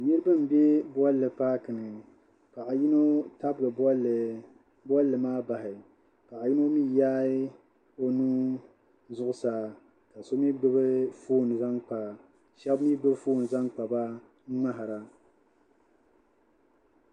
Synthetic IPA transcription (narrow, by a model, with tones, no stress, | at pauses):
nɨ˦ɾɨ˦bɨ˦m̩˨be˦bɔ˦lːɨ˨paː˦kɨ˨nɨ˨ | pa˨ʔa˨ji˦no˦ta˦bɨ˨ɡɨ˨˦˨ | bɔ˦lːɨ˨maː˦ba˨hɪ˨ | pa˨ʔa˨ji˦no˦miː˦jaː˦ɪ˦ | o˦nu˦ | zʊ˦ʔʊ˦sa˨ | ka˨so˦mi˦ɡ͡bɨ˦bɨ˦foː˦˨n˨za˦ŋk͡pa˨ | ʃɛ˦bmi˦ɡ͡bɨ˦foː˦˨n˨za˦ŋk͡pa˨ba˦ | ŋ͡ma˦ɦa˨ɾa˨